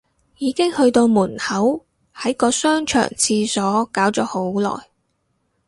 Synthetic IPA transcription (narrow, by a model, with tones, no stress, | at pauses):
jiː˨˧kɪ˥ŋhɵ˧ɥt̪o˧wmuː˨˩nhɐ˨˥w | hɐ˨˥jkɔː˧sœː˥ŋt͡ʃʰœ̰ː˨˩ŋt͡sʰiː˧sɔː˨˥kaː˨˥wt͡ʃɔː˨˥ho˨˥wlɔ̰ː˨˩j